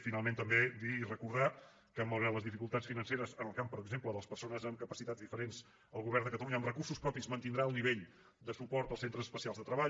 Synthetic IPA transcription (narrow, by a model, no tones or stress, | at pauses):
finalˠment̪əmbed̪iːrəkuɾða | kəmbəwɾaləzðifikulˠt̪atsfinənseɾəzənəlˠkampəɾəɡzempləðəlˠəspəɾsonəzəmkəpəsit̪ad͡zðifəɾenz | əlˠɣuβɛrnd̪əkət̪əluɲəmrəkursuspɾɔpizmənt̪ind̪ɾaəlˠniβeʎ | d̪əsupɔɾt̪əlˠsent̪ɾəzəspəsialˠzðət̪ɾəβaʎ